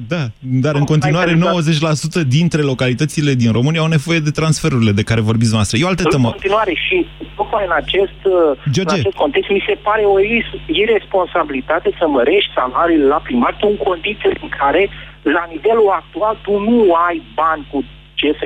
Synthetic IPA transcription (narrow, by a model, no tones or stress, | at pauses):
d̪ad̪aɾɨnko̞nt̪iaɾeno̞wəze̞t͡ʃʲlasut̪əd̪int̪ɾe̞lo̞kalit̪ət̪sile̞d̪inro̞mɨniaːawne̞vo̞je̞d̪e̞t̪ɾansfe̞ɾuɾile̞d̪e̞kaɾe̞vo̞rbit̪snoast̪ɾejealt̪eemont̪inuaɾe̞ʃit̪okmajɨnat͡ʃe̞st̪d͡ʒo̞rnd͡ʒaet͡ʃe̞st̪ko̞nt̪e̞kst̪mise̞paɾe̞oisire̞spo̞nsabilit̪at̪esəməɾe̞ʃt̪ʲsalaɾiːlelapɾimart̪uɨŋko̞nd̪it̪sieiŋkʰaɾe̞ | lanive̞luak̚t̪ualt̪unuajbanʲku | t͡ʃef